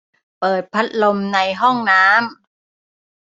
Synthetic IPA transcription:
pɤː˨˩t̪̚pʰa˦˥t̪̚lo˧mna˧jɦɔ˥˩ŋnaː˦˥m

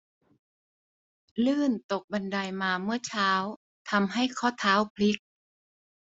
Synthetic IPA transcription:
lɯː˥˩nt̪o˨˩k̚ba˧nda˧jmaː˧mɯ˥˩ɐt͡ɕʰaː˦˥w | t̪ʰa˧mɦa˥˩jkʰɔː˥˩t̪ʰaː˦˥wpʰli˦˥k̚

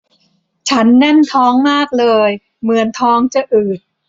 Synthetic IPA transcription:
t͡ɕʰa˦˥nːɛ˥˩nt̪ʰɔː˦˥ŋmaː˥˩k̚lɤː˧j | mɯ˧˩˦ənt̪ʰɔː˦˥ŋt͡ɕa˧˩ʔɯː˨˩t̪̚

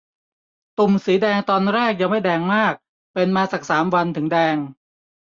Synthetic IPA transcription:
t̪u˨˩msiː˩˦dɛː˧ŋt̪ɔː˧nɾɛː˥˩k̚ja˧ŋma˥˩jdɛː˧ŋmaː˥˩k̚ | pe˧nmaː˧sa˨˩k̚saː˩˦mwa˧nt̪ʰɯ˩˦ŋdɛː˧ŋ

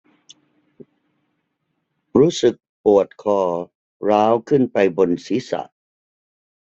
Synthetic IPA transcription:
ɾuː˦˥sɯ˨˩k̚pu˨˩ət̪̚kʰɔː˧˩ | ɾaː˦˥wkʰɯ˥˩npa˧jbo˧nsiː˨˦˥sa̰˨˩ʔ

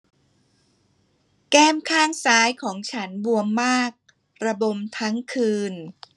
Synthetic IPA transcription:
kɛː˥˩mkʰaː˥˩ŋsaː˦˥jkʰɔː˩˦ŋt͡ɕʰa˦˥nbu˧əmːaː˥˩k̚ | ɾa˧bo˧mt̪ʰa˦˥ŋkʰɯː˧n

